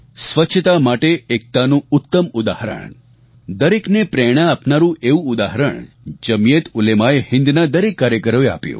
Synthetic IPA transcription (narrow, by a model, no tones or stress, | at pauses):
sʋət͡ʃʰət̪amaʈeek̚t̪anũʊt̪ːəmʊd̪a̰ɦɾə̰ɳ | d̪əɾeknepɾɛɽ̃aːpnaɾũeũʊd̪aɦəɾə̰ɳ | d͡ʒəmijet̪ʊlemaehɪ̃nd̪nad̪əɾekːaɾjəkəɾoea̰pjṵ̃